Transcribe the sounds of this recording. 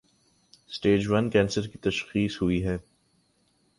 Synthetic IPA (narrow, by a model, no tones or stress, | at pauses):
sʈeːd͡ʒʋɐnkɛ̃ːnsəɾkit̪ɐʃxiːsɦʊiɦɛː